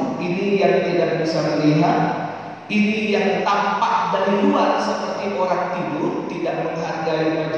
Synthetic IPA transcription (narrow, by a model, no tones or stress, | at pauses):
inijaŋt̪idaʔ̚bisaməliɦat̪̚ | inijaŋt̪ampaʔ̚badiluansəpərt̪iʔoɾaŋt̪idʊrt̪idaʔməŋɦarɡaikat